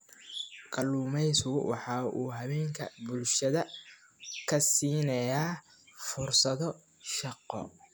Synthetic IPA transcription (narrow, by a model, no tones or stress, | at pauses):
kʰʼɐluːmɛjsʊwɑ̰ħɑːʔuːɦɐβɛːŋkʰɐ̰bʊlʃɐðɐ | kʰɐsiːnɐjaː | fʊrsɐðɔ | ʃɑqɔ̰